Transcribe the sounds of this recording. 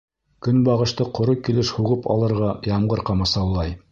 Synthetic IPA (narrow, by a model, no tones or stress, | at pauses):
kɵnbɑʁɤ̆ʃt̪ɤqŏɾɤkilɘʃhuʁɤpʰɑ̰lˠɤ̆ɾʁɑjɑmʁɤɾqɑmɑsɑwlˠɑj